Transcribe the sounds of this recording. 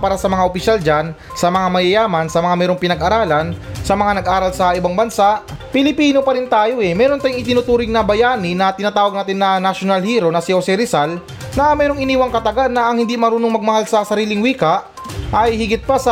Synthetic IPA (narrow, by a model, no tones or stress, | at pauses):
paːɾɐsɐmɐŋaopɪʃald͡ʒan | sɐmɐŋamɐjɐjaːmɐnsɐmɐŋamɛːɾoŋpɪnɐɡʔɐɾaːlɐnsɐmɐŋanɐɡʔaːɾɐlsɐʔɪbaŋbɐnsaʔpɪlɪpiːno̞pɐɾɪnt̪aːjo̞ʔɛmɛːɾont̪aːjʊŋʔɪt̪ɪnʊt̪uːɾɪŋnɐbɐjaːnɪnɐt̪ɪnat̪aːwɐɡ̚naːt̪ɪnːɐnɐʃonalhiːɾo̞nɐsihosɪɾɪsal | nɐmɛːɾoŋʔɪniːwɐŋkɐt̪ɐɡanːɐɐŋhɪnd̪imɐɾuːnoŋmɐɡ̚mɐhalsɐsɐɾiːlɪŋwiːkɐʔ | ʔɐjhɪɡɪt̪̚pasɐ